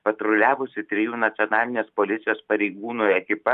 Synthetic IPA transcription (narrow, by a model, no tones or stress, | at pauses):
pɐt̪ɾʊlʲæːʋʊsʲɪt̪ʲɾʲɪjuːnɐt̪sʲɪonɑːlʲɪnʲeːspoːlʲɪt̪sʲɪjoːspɐɾʲɛɪɡuːnuːɐkʲɪpɐ